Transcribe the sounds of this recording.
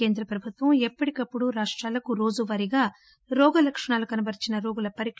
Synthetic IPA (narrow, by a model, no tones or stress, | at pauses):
e̞ːnd̪ɾɐpɾɐbʱut̪ʋɐmɛpːɐʈikɐpːuɽuɾaːʂʈɾaːlɐkuɾo̞ːd͡ʒuʋɐɾiɡaː | ɾɔːɡɐlɐkʂɐɳaːlukɐnɐbɐɾit͡ʃinɐɾoːɡulɐpɐɾik